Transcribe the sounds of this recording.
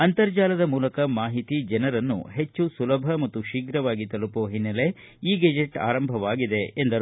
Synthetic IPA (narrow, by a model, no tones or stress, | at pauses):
ɐnt̪ɐɾd͡ʒaːlɐd̪ɐmuːlɐkɐmaːɦit̪id͡ʒɐnɐɾɐnːṵɦe̞t͡ʃːusulɐbʱɐmɐt̪ːuʃiːɡɾɐʋaːɡit̪ɐlupoɦinːɐle̞ | iːɡɐd͡ʒeʈa̰ːɾɐmbʱɐʋaːɡid̪eend̪ɐɾ